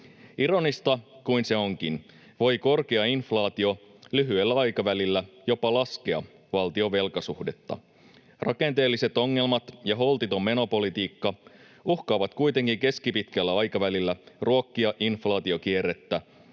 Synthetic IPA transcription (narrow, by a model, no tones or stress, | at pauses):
iɾo̞nist̪ɑkuinse̞o̞ŋk̟in | ʋo̞jko̞rke̞ɑinflɑːt̪io̞ | lyɦyelːæɑjkɑʋælilːæjo̞pɑlɑskeɑ̰ | ʋɑlt̪io̞ʋe̞lkɑsuhde̞t̪ːɑ̰ | rɑke̞nt̪e̞ːlːise̞t̪o̞ŋːe̞lmɑt̪jɑɦo̞lt̪it̪o̞mːe̞no̞po̞lit̪iːkːɑ | uhkɑːʋɑt̪kujt̪e̞ŋkiŋke̞skipit̪kælːæɑjkɑʋælilːæruo̞kːiɑʔinflɑːt̪io̞k̟ierːet̪ːæ